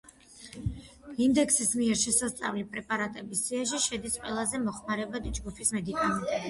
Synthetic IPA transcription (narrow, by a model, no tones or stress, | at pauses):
ind̪ɛksismiɛɾʃɛsast̪sʼa̰vlipʼɾɛpʼaɾat̪ʼɛbisːiaʃiʃɛd̪isqʼwɛlˠazɛmɔχmaɾɛbad̪id͡ʒɡupʰismɛd̪ikʼani